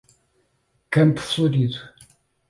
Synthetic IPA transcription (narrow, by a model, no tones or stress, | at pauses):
kɐ̃mpu̥flˠuɾiðu